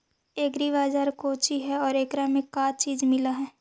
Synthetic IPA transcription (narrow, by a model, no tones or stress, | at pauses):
eːɡɾiβaːd͡ʒaːɾkoːt͡ʃiɦɛɔːɾeːkɾamẽkaːt͡ʃiːd͡ʒmɪlaɦɛː